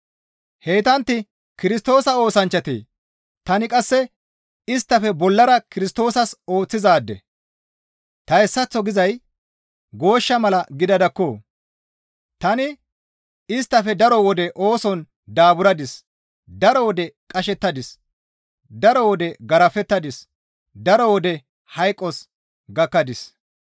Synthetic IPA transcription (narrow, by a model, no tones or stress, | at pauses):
heːt̪ɐnt̪ːɪ | kɪɾɪst̪o̞ːsɐo̞ːsɐnt͡ʃːɐt̪ḛː | t̪ɐnɪkʼɐsːɛ | ɪst̪ːɐfɛbɔlːɐɾɐkɪɾɪst̪o̞ːsɐso̞ːt͡sːɪzaːd̪ːɛ̰ | t̪ɐɛsːɐt͡sːɔɡɪzɐj | ɡo̞ːʃːɐmɐlɐɡɪd̪ɐd̪ɐkːoː | t̪ɐnɪ | ɪst̪ːɐfɛd̪ɐɾɔwɔd̪ɛʔoːsɔn | d̪aːbʊɾɐd̪ɪs | d̪ɐɾɔwɔd̪ɛkʼɐʃɛt̪ːɐd̪ɪs | d̪ɐɾɔwɔd̪ɛɡɐɾɐfɛt̪ːɐd̪ɪs | d̪ɐɾɔwɔd̪ɛ | hɐjkʼːɔs | ɡɐkːɐd̪ɪs